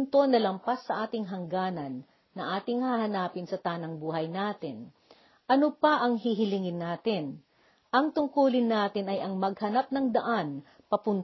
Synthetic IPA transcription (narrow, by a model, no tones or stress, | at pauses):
nt̪o̞nɐlɐmpasːɐʔaːt̪ɪŋɦɐŋɡaːnɐnː | ɐʔaːt̪ɪŋhaːhɐnaːpɪnsɐt̪aːnɐŋbuːɦɐjnaːt̪ɪn | ʔɐnopɐʔɐŋɦiɦɪlɪŋɪnːaːt̪ɪn | ʔɐŋt̪ʊŋkuːlɪnːaːt̪ɪnɐjɐŋmɐɡ̚hɐnap̚nɐŋd̪ɐʔan | pɐpʊn